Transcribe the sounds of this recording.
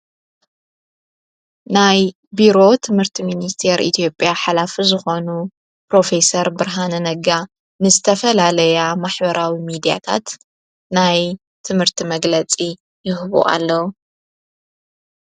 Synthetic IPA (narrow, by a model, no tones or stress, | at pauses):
naj | biɾo̞t̪ʰɨmhɨɾt̪ʰiminist̪ʰeɾʔḭt̪ʰijo̞pʼjaħalafizɨxo̞nu | pɾo̞fe̞sɐɾbɨɾɦanɐnɐɡa | nɨzɨt̪ʰɐfɐlalɐjamaħbɐɾʔawimid̪ija̰t̪ʰa̰t̪ | naj | t̪ʰɨmhɨɾt̪ʰimɐɡlɐt͡sʼi | jɪhβṵʔa̰lːɐwu